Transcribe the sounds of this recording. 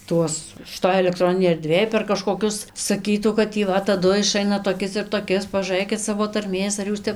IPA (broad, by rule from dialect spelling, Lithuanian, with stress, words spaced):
ˈtuɔs ʃʲɪˈtoːj ɛlʲɛkˈtroːnʲɪnʲeːj ɛrʲˈdʲʋʲeːj pʲɛr kɐʃkoːˈkʲʊs sɐˈkʲiːtuː kɐt tʲiː ˈʋɐ tɐˈdʊ ɪˈʃɐɪnɐ toːˈkʲɪs ɪr toːˈkʲɪs pɐʒuːˈrɘkʲɪt ˈsɑːʋoː tɐrʲˈmʲeːs ɐr ˈjuːs ˈtʲɛp